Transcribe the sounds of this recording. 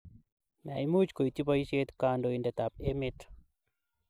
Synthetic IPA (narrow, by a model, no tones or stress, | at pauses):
na̰imut͡ʃkoitibɔiʃet̪kaːndoindɛt̪ap̚emɪt̪